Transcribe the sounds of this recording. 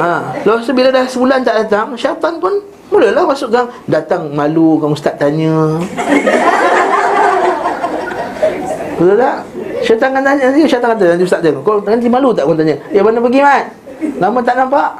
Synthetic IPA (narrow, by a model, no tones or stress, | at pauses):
aləpast̪ubiladahsəbulant̪aʔdat̪aŋsat̪anpʊn | muləhlahmasuʔkaŋdat̪aŋmalukaust̪aʔ̚t̪aɲə | bətət̪aʔʃat̪aŋkant̪aɲəiuʃat̪aŋat̪ananiust̪at̪ʔ̪̚t̪ːakɔkant̪imalut̪̬aʔkɔnt̪aɲə̃abanapəɡimat̪ | lamãt̪aʔnampaʔ